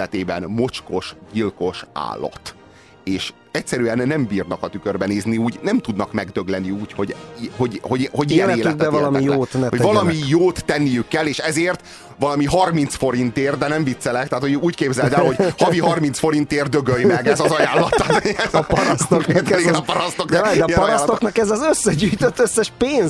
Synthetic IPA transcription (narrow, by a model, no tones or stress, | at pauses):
ɛt̪eːbɛnmo̞t͡ʃko̞ʃɟilko̞ʃa̰ːlːɒ̰t̪ | eːʃ | ɛc̚sɛɾyɛnːɛmbiːrnɒkɒt̪ykørbɛneːzniuːɟnɛmt̪ud̪nɒkmɛɡd̪ø̞ɡlɛniuːcho̞ɟɦo̞ɟho̞ɟɦo̞ɟijɛneːlɛt̪ɛɛvɒlɒmijoːt̪ɛho̞ɟvɒlɒmijoːt̪ːɛnːijykːɛlːeːʃɛzeːrt̪ | vɒlɒmiɦɒrminsfo̞ɾint̪eːrd̪ɛnɛɱvit̪sɛlɛkt̪ɛɦat̪hoɟuːckeːbzɛd̪ɛlhoɟhɒviɦɒrmint̪sfo̞ɾint̪eːrd̪øɡøjmɛɡɛzɒzɒjaːlːɒt̪at̪zpɒɾɔst̪ok̪ːt̪liɡɛnɒpɒɾɒst̪oknɒd̪ɛiɛpɔɾaɔslt̪oknɒkɛzɛzøsːɛɟyːjt̪øt̪ːøsːɛʃpeːnz